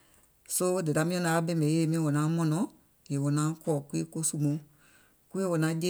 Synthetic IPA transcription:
so˦de˨da˨˦mĩ˦ɔ̃˧nã˨˧˦a˦bɛ̃˦mẽ˨˦e˨mĩ˦wɔ˨nã˨˦mɔ̃˧nɔ̃˨ | je˨wo˨nãː˨˦kɔː˨ku˦e˦ko˦su˦mõ˨˦ | ku˦e˦wo˨nã˨˦d͡ʒe˦

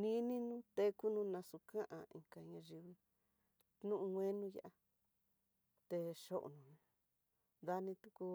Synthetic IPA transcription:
nĩ˦nĩ˦nũ˦t̪e˧ku˦nũ˧nã˧su˧kã˦ʔã̰˧˨ḭ̃˨ŋka˧ɲã˧ʒi˧βi˧ | nũ˦ʔũ˧ŋʷẽ˦nũ˦ja̰˧ʔa˧ | t̪e˧ʃo˦ʔo̰˨nũ˨ɲ̃˧ | ða˧nĩ˧t̪u˧ku˧

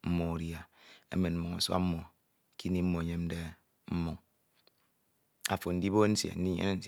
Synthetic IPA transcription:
m̩˦mo˦˨ɾja˨ḛ˦me˨nm̩˦mu˨ŋa̰˨swa̰˦m̩˦mːo˨ | ki˦ni˦m̩˦mo˨ɲe˦m̩˦de˦ | m̩˦mu˨ŋ | a˨fo˨n̩˦di˦bo˦n̩˦sḛ˨n̩˦di˦ɲḛ˦ne˦n̩˦˨

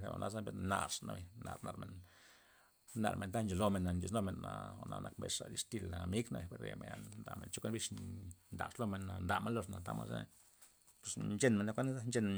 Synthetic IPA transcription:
ɾḛ˨a̰˨nʔa˧za˦bi˧na˧ʂna˧be˨na˨ɾna˧ɾme˨n | na˧ɾme˨nd̪a˦nd͡ʒo˨lo˧me˧˨na˨nd͡ʒi˧˨nlo˧me˨na˧o˧na˧nʔa˧kmbe˧ʂʂa˨li˧ʂt̪i˧la˨mi˦ɡna˧be˨pe˧ɾḛ˨me˨nd̪a˨me˨nt͡ʃo˦kʷe˦nbi˧t͡ʃnd̪a˨ʂlo˧me˨na˨nd̪a˨me˧˦lo˧ʂna˨t̪a˦ma˧sḛ˦ | pu̥˧snd͡ʒe˧nme˨na˧kʷe˦n˦za˦nd͡ʒe˧n

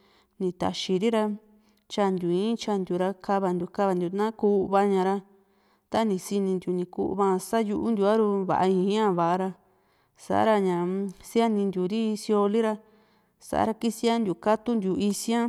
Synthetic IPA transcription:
nĩ˧t̪a̰˨ʃi˧ɾi˦ɾa˧ | t͡ʃa˧nd̪u˨ĩ˦t͡ʃa˧nd̪ʲu˨ɾa˧ka˦βa˧nd̪u˧˨ka˦βa˧nd̪ʲu˧˨nã˦ku˧˦˧βa˧ɲã˧ɾa˧ | t̪a˦nĩ˧si˧nĩ˧nd̪u˨nĩ˧kṵ˧ʔβa˧sa˦ju˧ʔu˦nd̪ʲu˧a˦ɾu˧βa̰˨ʔa˧ĩ˧˦ɲã˦βa˨ʔa˧ɾa˧ | sa̰˨ʔa̰˦ɾa˧ɲã˨si˦a˦nĩ˧nd̪u˨ɾi˦˧si˧o˧li˦ɾa˧ | sa̰˨ʔa̰˧ɾa˧ki˦si˦a˦nd̪ʲu˨ka˦t̪u˦nd̪ʲu˧˨i˧sj̃ã˦

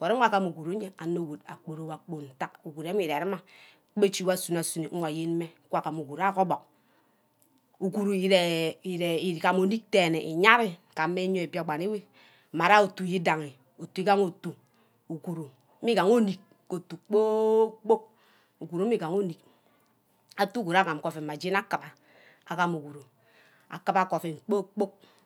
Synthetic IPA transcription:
kʷo˨ɾe˦a˦˨ka˨mu˨ɡu˨ɾo˨˦ɲe˦a˨no˨wu˨da̰˨k͡po˨ɾo˨wa˨k͡po˨n̩˨ta˦k̚u˨ɡu˨ɾe˦mi˦˨ɾe˨ɾi˦ma˨˦ | e˦t͡ʃi˦wa˦su˨na˨su˨ni˨ŋ̩˦wa˨je˦n˦me˦kʷa˨ka˨mu˨ɡu˨ɾa˦ko˦bo˨k̚ | u˨ku˨ɾu˨i˨ɾe˨i˨ɾe˨i˨ka˨mo˨ni˦k̚te˨ne˨ʔi˨ɲa˦ɾi˦˨ka˨˦me˦ɲo˦˨e˨pi˦a˨ɡ͡ba˨ne˦we˦˨ | ma˨ɾa˦o˨tu˨ji˦da˨ŋi˨ | o˨tu˨i˦ɡa˦ŋo˨tu˨ | u˨ku˨ɾu˨˦ | i˦ɡa˨ŋo˦ni˨k̚ | ko˨tu˨k͡po˦k͡po˦k̚ | u˨ku˨ɾu˨˦m˦i˦ɡa˨ŋo˦ni˨k̚ | a˨tu˦ku˨ɾa˦ka˨m˨ko˨fe˨ma˨d͡ʒi˦na˦ka˨ba˨ | a˨ka˨mu˨ɡu˨ɾu˨ | a̰˨ka˦ba˨ko˨fe˨ŋ͡m̩˨k͡po˦k͡po˦k̚

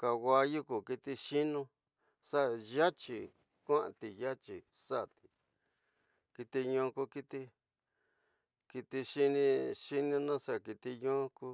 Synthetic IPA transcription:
ka˨wa˧ju˦ku˨ki˧t̪i˧ʃi˦nũ˦ | sa˦ʔja˦t͡ʃi˨ | kʷã˦ʔã̰˧˨t̪i˨ja˦t͡ʃi˨ | sa˦˨t̪i̥˨ | ki˧t̪i˧ɲõː˧ku˧ki˧t̪i˧ | ki˧t̪i˧ʃi˦nĩ˧ʃi˦nũ˧nã˦sa˦˨ki˧t̪i˧ɲõ˦˧ku˦

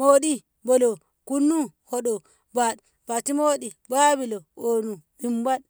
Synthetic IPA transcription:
mo˦ɗi˦ | bɔ˨lo˨ | ku˦nːu˦ho˨ɗɔ˨ | ba˨ɗ | b̥a˨ti˦mo˦ɗi˨baː˦bi˨lo˨o˨nu˨bi˨mba˦ɗ

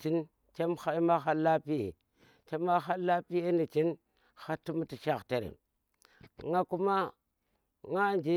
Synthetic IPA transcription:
t͡ʃi˦n | t͡ʃe˦mxa˦i˦ma˦xa˦la˦pi˦jḛ˨ | t͡ʃe˦ma˦xa˦lːa˦pi˦je˦ni˨t͡ʃi˦n | xa˦tːu˦m˦ti˨ʃa˦˨xte˨ɾḛ˨ | ŋa˦ku˦ma˦ | ŋa˦nd͡ʒi˦

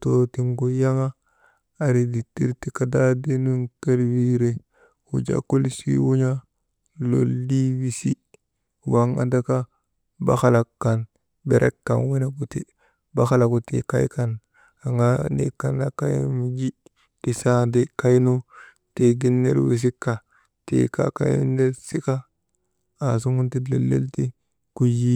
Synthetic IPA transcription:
to˨ti˨ŋɡo˨ja˦ŋaː˦˨ | ɾi˨di˨ti˦ɾti˦ka˨da˦de˦nu˦nke˦lwi˦ɾe˦ | wṵ˨d͡ʒa̰˨ko˦li˦sḭ˦wu˦ɲa˦ | lo̰˦lːi˦wi˦si˦ | wa˨ŋa̰˨da˦ka˦ | ba̰˦xa˦la˨kːa˨n | be˨ɾʔḛ˦kːa̰˨nwi˦na˨ɡu˨te˦ | ba˦xa˦la˨ku˨tḛ˨ka˦jka˨n | a˨ŋɡa˦nḛ˦kːa˨na˦ka˦jmi˨ɡi˦ | di˨sa˦de˨ka˦jnu˦ | te˨ɡi˦nːe˦lwḭ˨s̬i˦kːa˨ | tḛ˨ka̰˦ka̰˦jnde˦lsi˦ka˦ | a˨s̬u˦ŋu˦nti˦le˨lːe˦lti˦ | ku˦ji˦

